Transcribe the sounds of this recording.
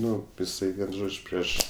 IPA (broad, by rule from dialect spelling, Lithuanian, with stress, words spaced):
ˈnʊ ɪˈsɐɪ ʋʲiɛn ˈʒoːt͡ʃʲ ˈpʲrʲiɛʃ